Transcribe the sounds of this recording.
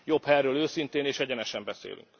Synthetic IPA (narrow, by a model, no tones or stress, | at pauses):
jo̞phɛrøːløːsint̪eːneːʃɛɟɛnɛʃɛmbɛsḛːlʔy̰ŋk